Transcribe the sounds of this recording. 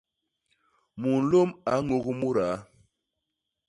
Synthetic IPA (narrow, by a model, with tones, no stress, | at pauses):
mu˨n̩˨lo˦ma˨˦ŋo˦ɣu˦mu˦ɾa˨˦